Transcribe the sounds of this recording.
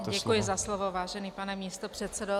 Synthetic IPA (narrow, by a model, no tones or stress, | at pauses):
ɟɛkujɪzaslovovaːʒɛniːpanɛmiːst̪opr̝̥ɛt̪t͡sɛdo